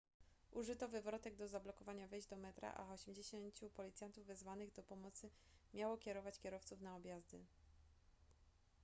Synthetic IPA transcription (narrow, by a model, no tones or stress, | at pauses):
ʔuʐɘt̪ɔvɘvɾɔt̪ɛɡ̚d̪ɔzablɔkɔvaɲavɛjʑd̪ɔmɛt̪ɾa̰ʔa̰ɔɕɛmd͡ʑeɕɛɲt͡ɕupɔlʲit̪sʲjant̪uvːɛzvanɘɣd̪ɔpɔmɔt̪sɘ | mʲjawɔkʲɛɾɔvat͡ɕkʲɛɾɔft̪sufnaɔbjazd̪ɘ̰